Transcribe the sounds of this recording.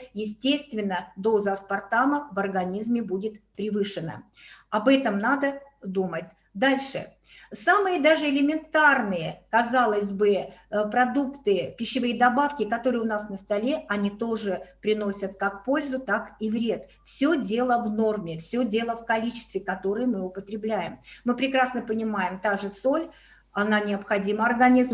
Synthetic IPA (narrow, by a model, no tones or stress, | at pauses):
jɪsʲtʲest̪vʲɪnːəd̪o̞zəspart̪aməvɐrɡɐnʲizmʲɪbudʲɪt̪pɾʲɪvɨʂɨnə̰ | ɐbɛt̪əmnad̪əd̪umətʲ | d̪alʲʂɨ̰ | samɨjəd̪aʐɨɪlʲɪmʲɪnt̪arnɨjəkɐzalˠəzʲbɨpɾɐd̪ukt̪ɨpʲɪɕːɪvɨjəd̪ɐbafkʲɪkɐt̪o̞ɾɨjʊnasnəst̪ɐlʲe̞ɐnʲit̪o̞ʐɨpɾʲɪno̞sʲət̪kakːpo̞lʲzʊt̪akivɾʲe̞t̪ | fsʲɵdʲe̞lˠəvno̞rmʲɪfsʲɵdʲe̞lˠəfkɐlʲit͡ɕɪ̥st̪vʲɪkɐt̪o̞ɾɨjəmɨʊpət̪ɾʲɪblʲæjɪmmɨpɾʲɪkɾasnəpənʲɪmajɪmt̪aʐɨso̞lʲ | ɐnanʲɪəpxɐdʲiməɐrɡɐnʲizm